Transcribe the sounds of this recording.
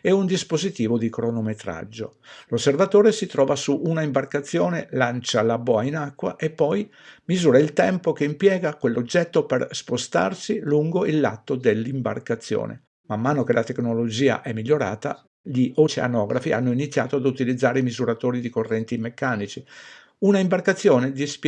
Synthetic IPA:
ɛund̪ispozit̪iːvod̪ikɾonomet̪ɾa̰d͡ʒːo̰ | losːervat̪oːɾesit̪ɾɔːvasuʔunaimbarkat̪sːjoːnelant͡ʃalabɔainakːwa̰ʔepːɔj | mizuːɾailt̪ɛmpokeimpjɛːɡakwelːod͡ʒːɛt̪ːoperspost̪a̰rsiluŋɡoilːa̰t̪ːod̪elːimba̰rkat̪sːjo̰ːnḛ | mamːaːnokelʔat̪eknolod͡ʒiːa̰ʔɛmːiʎːoɾa̰ːt̪a̰ | ʎiʔot͡ʃḛa̰nɔːɡɾafiʔa̰nːoinit̪sːjaːt̪oad̪ut̪ilid̪zːaːɾeimizuɾat̪oːɾid̪ikorːɛnt̪imekːaːnit͡ʃi | unaimbarkat̪sːjoːned̪isp

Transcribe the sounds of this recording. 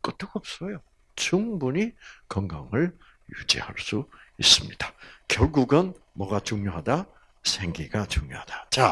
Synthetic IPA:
k͈ɯt͈ɯɡʌp̚s͈ʌjo | t͡ɕuŋbuɲikʌŋɡaŋɯɭ | jṵd͡ʑḭha̰ɭs͈uḭs͈ɯmɲid̥ḁkjʌɭɡuɡɯnmʌɡat͡ɕuŋɲoɦada | sʰeŋɡiɡat͡ɕuŋɲohad̥ḁt͡ɕa

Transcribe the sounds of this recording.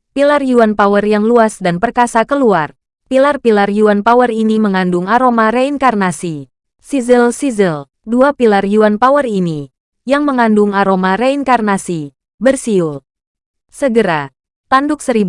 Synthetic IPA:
pilarjuanpawərjaŋluasdanpərkasakəluar | pilarpilarjuanpawəriniməŋandʊŋaɾomaɾeiŋkarnasi | sizilsizil | duapilarjuanpawərini | jaŋməŋandʊŋaɾomaɾeiŋkarnasi | bərsiul | səɡəɾa | t̪andʊk̚səɾib

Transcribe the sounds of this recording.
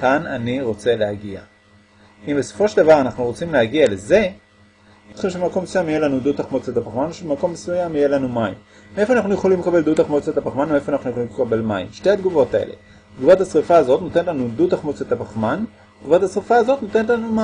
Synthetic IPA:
kananiʁo̞t͡se̞lehaɡia̰ | imbesofo̞ʃeld̪avaʁanaχnuʁot͡simleaɡiale̞ze̞ | otχimʃeemako̞mesujamijelanud̪ut̪aχmot͡set̪apaχmanoʃebemako̞mːesujamije̞lanumaim | mee̞foanaχnujeχolimlekabe̞ld̪ut̪aχmot͡set̪apaχmanoeefoanaχnujeχolimlekabe̞lma̰ḭmʃteat̪ɡuvo̞taḛle̞̰ | d̪ɡuvat̪hasʁifaːzo̞t̪no̞t̪e̞netlanud̪ut̪aχmot͡set̪apaχman | dɡuvathasʁifaːzo̞t̪not̪e̞netlanuma

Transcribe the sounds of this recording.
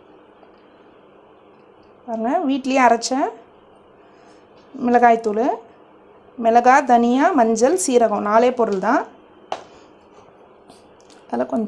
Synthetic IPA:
paːɾɯŋɡɐʋiːʈːɪlɪjeɐɾɐt͡ʃːɐ | mɛlɐɣaːjt̪ːʊlɯ | mɛlɐɣaːd̪ɐnɪjaːmɐɲd͡ʒɐlsiːɾɐɣɐ̃naːleːpɔɾɯlt̪ãː | ɐðɐlɐkɔɲd͡ʒ

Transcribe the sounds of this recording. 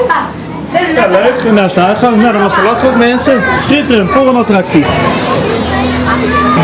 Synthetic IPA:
jaløɥkənaːstəœɥtχɑŋnawdɔnɔsəlɔtotmɛnsəsχɪtərənfoʁənɑtrɑksi

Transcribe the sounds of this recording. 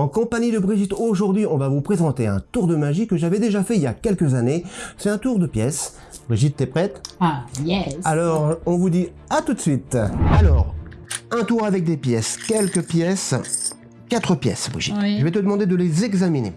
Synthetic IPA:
ɑ̃kɔ̃paɲid̪əbʁiʒit̪oʒuʁd̪ɥiɔ̃vavupχezɑ̃t̪eɛ̰̃t̪uʁd̪əmaʒikəʒavɛd̪eʒafɛiljakʲɛlkəzanesɛt̪ɛ̃t̪uʁd̪əpjɛs | bʁiʒit̪ːɛpχɛt̪jɛalɔʁɔ̃vud̪i | at̪ut̪sɥit̪alɔʁɛ̃t̪uʁavɛk̚d̪epjɛskʲɛlkəpjɛs | kʲat̪χəpjɛ̰sbʁḭʒḭt̪ʒəvɛt̪əd̪əmɑ̃d̪ed̪əlezɛɡzaminḛ

